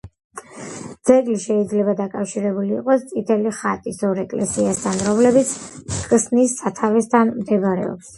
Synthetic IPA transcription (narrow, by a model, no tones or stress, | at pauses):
d̪z̥ɛɡliʃɛid̪zlɛbad̪akʼafʃiɾɛbulḭːqʼɔst̪sʼit̪ʰɛliχat̪ʼisɔɾɛkʼlɛsiast̪ʰanɾɔmlɛbit̪sʰkʼsnisːat̪ʰavɛst̪ʰanmd̪ɛbɾɛ̰ɔ̰ps